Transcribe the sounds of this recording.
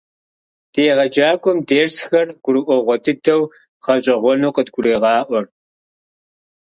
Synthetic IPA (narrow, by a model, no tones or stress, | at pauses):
d̥ʰeːʁɐd͡ʒaːkʷʼɔmdeːrsxɐrɡ̥ʷʊɾɨʔʷɔʁʷɔtʰɨtʰɐw | ʁ̥ɐɕʼɐʁʷɔnuːqədɡʷʊɾeːʁɑːʔʷɔr